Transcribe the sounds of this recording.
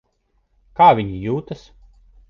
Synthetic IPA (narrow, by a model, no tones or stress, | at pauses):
kaːvʲiɲijuːt̪as